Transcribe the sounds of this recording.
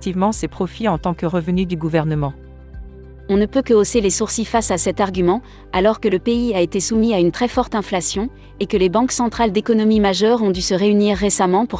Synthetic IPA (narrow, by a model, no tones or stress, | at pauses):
t̪ivmɑ̃sepχɔfiɑ̃t̪ɑ̃kəʁəvənyd̪yɡuvɛʁnəmɑ̃ | ɔ̃nəpøkəoselesuʁsifasasɛt̪aʁɡʲymɑ̃ | alɔʁkələpeiaet̪esumiaynt̪χɛfɔʁt̪ɛ̃flasjɔ̃ | ekəlebɑ̃ksɑ̃t̪χald̪ekɔnɔmimaʒœʁɔ̃d̪ysəʁeyniʁːesamɑ̃puʁ